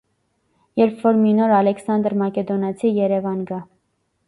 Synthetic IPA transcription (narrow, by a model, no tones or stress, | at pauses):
jɛɾpʰvɔɾminɔɾɑlɛksɑnd̪əɾmɑkɛd̪ɔnɑt͡sʰijɛɾɛvɑnɡɑ